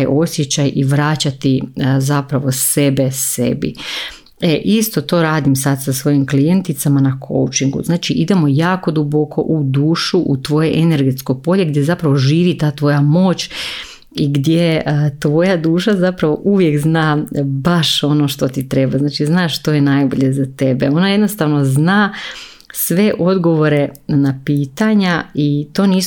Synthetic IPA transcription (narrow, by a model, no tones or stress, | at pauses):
ajʔo̞sjet͡ɕajʔiʋɾat͡ɕat̪izapɾaʋo̞se̞be̞sḛbḭ | eʔist̪o̞t̪o̞ːɾaːd̪imsad̪sasʋo̞jimklijent̪it̪samanakʰo̰wt͡ʃiŋɡṵznaːt͡ʃiʔid̪e̞mo̞jaːko̞d̪ubo̞kʰo̞̰ʔud̪uːʃuʔut̪ʋo̞jeʔene̞ɾɡe̞t̪skojpo̞ʎe̞ɡd̪je̞zapɾaʋo̞ʒiːʋit̪aːt̪ʋo̞jamo̞ːt͡ɕ | iɡd̪je̞t̪ʋo̞jad̪uːʃazapɾaʋo̞̰ʔuʋje̞kznaːbaʃo̞no̞ːʃt̪o̞t̪it̪ɾe̞baznaːt͡ʃiznaːʃt̪o̞jenajbo̞̰ʎe̞zat̪e̞beo̞najed̪no̞st̪aːʋno̞znaː | sʋe̞ʔo̞d̪ɡo̞ʋo̞ɾe̞napiːt̪aɲait̪o̞ːniːs